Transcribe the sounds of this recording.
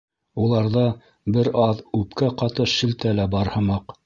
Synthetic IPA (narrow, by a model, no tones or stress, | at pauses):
ulˠɑɾðɑ | bɘɾɑðʉpkæqɑt̪ɤʃɘ̆lt̪ælæbɑɾhɤ̆mɑq